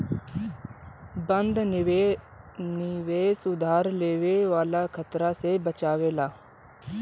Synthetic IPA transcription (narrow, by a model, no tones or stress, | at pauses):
bənd̪ | nɪʋeːsʊd̪ʱaːɾleːʋeːʋaːlaːkʰət̪ɾaːsebət͡ʃaːʋeːlaː